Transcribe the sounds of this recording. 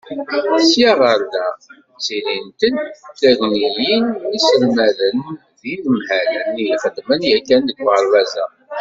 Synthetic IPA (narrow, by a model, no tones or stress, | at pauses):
sjaʁəɾðæ | t͡siɾint̪ənθæʝnijinisəlmæðən | ðiðəmhælənijiχəd̪mənjækːænðəɡaɾˤːæzæ